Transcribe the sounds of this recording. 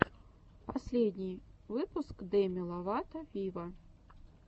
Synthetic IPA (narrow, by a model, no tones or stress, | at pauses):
pasʲlʲed̪ʲnʲijvɨpʊskd̪ɛmʲilˠɐvat̪ɐvʲivɐ